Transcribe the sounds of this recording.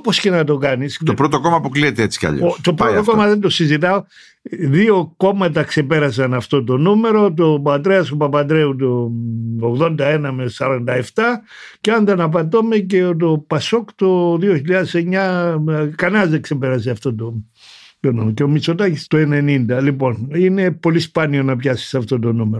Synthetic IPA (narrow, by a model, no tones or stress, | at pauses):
oposce̞nɐt̪o̞kɐnisopɾot̪okomɐpukliet̪eet͡si̥kɐ̰ʎɐ̰ot̪opɾot̪okomɐðend̪osizit̪ɐo | ðio̞ko̞mɐt̪̬ɐkse̞peɾɐs̬ɐnɐft̪o̞t̪̬o̞nume̞ɾo̞t̪̬opɐt̪ɾeɐsopɐpɐd̪ɾeut̪̬ooɣðo̞nd̪ɐenɐmesɐɾɐnd̪ɐe̞ft̪ɐ | ceɐnd̪ɐnɐpɐt̪̬ome̞ce̞ot̪̬opɐsokt̪oðioçiʎɐðeseɲɐ | kɐnɐɐzðekse̞pe̞ɾɐs̬eɐft̪o̞t̪o | t̪onumeoceomit͡so̞t̪ɐcist̪oene̞nind̪ɐlipo̞nine̞po̞lispɐnio̞nɐpçɐsi̥sɐft̪o̞t̪̬o̞nume̞ɾo